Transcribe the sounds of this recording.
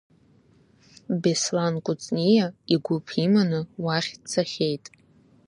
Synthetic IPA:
beslankʷʼʊt͡sʼnijaiɡʷʊpʰimanɨwaχʲt͡sʰaχʲejtʼ

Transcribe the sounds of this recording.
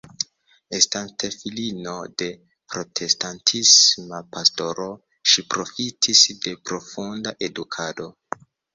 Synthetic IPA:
estante̞filino̞de̞ | pɾo̞tʰe̞stantʰismapasto̞ɾo̞ | ʃipɾo̞fitʰisde̞pɾo̞fundaʔe̞dukʰado̞

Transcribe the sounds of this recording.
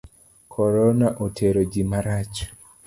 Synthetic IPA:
kʰɔɾɔnaʔotʰeɾod͡ʒimaɾat͡ʃ

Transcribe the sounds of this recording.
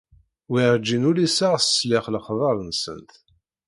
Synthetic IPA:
wiɾd͡ʒːinʊlisaʁsəslɪχləχðˤɑɾˤənsə̰nt̪

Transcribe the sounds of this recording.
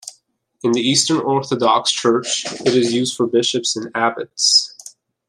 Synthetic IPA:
ɨ̃nðiistə̃˞nɔɹθədɑkst͡ʃʰɜ˞t͡ʃɨɾɨzjʉzd̥fə˞bɪʃɨpsɨ̃næbɨts

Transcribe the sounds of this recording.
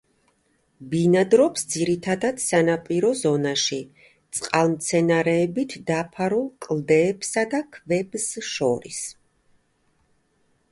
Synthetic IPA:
binad̪ɾɔpsd̪ziɾit̪ʰad̪ad̪̥sanapʼiɾɔzɔnaʃi | t̪sʼqʼalˠmt̪sʰɛnaɾɛːbit̪ʰd̪apʰaɾulˠkʼlˠd̪ɛːbsad̪akʰvɛbsʃɔɾḭs

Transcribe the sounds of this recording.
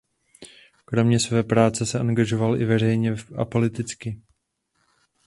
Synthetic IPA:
kɾo̞mɲɛsvɛːpɾaːt͡sɛsɛʔaŋɡaʒo̞valʔɪvɛr̝ɛjɲɛʔa̰po̞lɪt̪ɪt͡skɪ

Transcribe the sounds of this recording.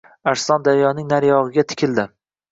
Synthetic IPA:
aɾsɒnd̪aɾjɒnɪŋnaɾjɒʁɨɡʲat̪ʰɪ̥kʲʰɪld̪ɪ

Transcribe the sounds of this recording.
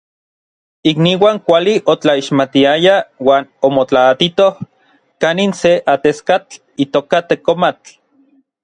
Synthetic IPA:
ikniwaːŋkʷaliʔot͡ɬaiʃmat̪iajawaːnomot͡ɬaːt̪it̪oh | kaninseʔat̪eskat͡ɬ | it̪oːkat̪ekomat͡ɬ

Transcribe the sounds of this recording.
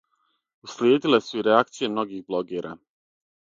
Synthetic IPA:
uslʲjeːd̪ilesuiɾeakt̪sije̞mno̞ɡixblo̞ɡiɾa̰ː

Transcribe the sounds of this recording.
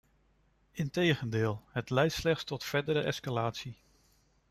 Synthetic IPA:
ɪntejχəndɪːlˠɦətlɛjtslɛχtstɔtfɛɹdəɾəʔɛ̰skalaːtsi

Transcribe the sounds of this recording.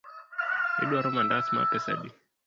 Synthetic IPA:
ɛ̰ɗuaɾɔmandasma̰pɛsa̰ɗi

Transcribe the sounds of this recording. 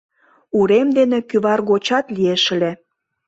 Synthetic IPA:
uɾemd̪enekyβɑrɣot͡ɕɑt̪lieʃə̆le

